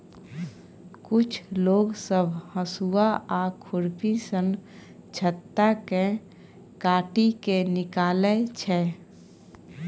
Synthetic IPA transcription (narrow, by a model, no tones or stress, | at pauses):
kʊt͡ʃʰloːɡsəbʱhəsuaʔakʰʊɾpisən | t͡ʃʰət̪ːake | kaːʈikenɪkaːlet͡ʃʰɛː